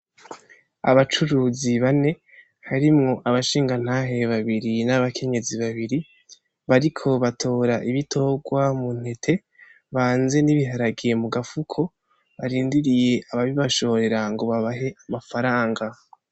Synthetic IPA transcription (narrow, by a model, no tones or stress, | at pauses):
aβat͡ʃuɾuːziβane̞ | haɾimŋo̞ʔaβaʃiːŋɡan̥haːɦe̞βaβiɾinaβakʰe̞ɲe̞ziβaβiɾi | βaɾikʰo̞βatʰo̞ːɾaʔiβitʰo̞ɡwamun̥he̞tʰe̞ | βaːnze̞niβiɦaɾaɡije̞muɡafukʰo̞ | βaɾiːndiɾije̞ʔaβaβiβaʃo̞ɾe̞ɾaŋɡo̞βaβaɦe̞amafaɾaːŋɡa